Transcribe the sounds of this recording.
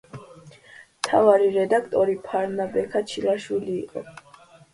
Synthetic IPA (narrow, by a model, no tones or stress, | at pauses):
mt̪ʰavaɾiɾɛd̪akʰt̪ʼɔɾipʰaɾnabɛkʰat͡ʃʰilaʃwilḭːqʼɔ̰